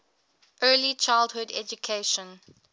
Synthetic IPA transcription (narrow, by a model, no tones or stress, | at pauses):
ʔɜːlit͡ʃaɪlˠdhʊdɛ̰d͡ʒukʰeɪʃə̃n